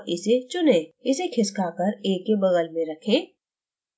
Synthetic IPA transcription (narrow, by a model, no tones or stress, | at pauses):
ʔɪset͡ʃʊnẽːɪsekʰɪskakəɾeːkːebɐɣəlmẽɾɐkʰeː